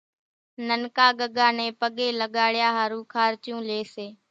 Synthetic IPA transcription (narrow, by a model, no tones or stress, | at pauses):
nənkaːɠəɠaːnẽːpəɠeːləɠaːɽɪjaːɦaːɾũːkʰaːɾt͡ʃjũːleːseː